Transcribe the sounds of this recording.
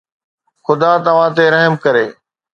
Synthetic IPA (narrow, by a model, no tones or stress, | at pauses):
xʊd̪at̪ɐʋ̤ãt̪̬eɾɐɦəmkɐɾeː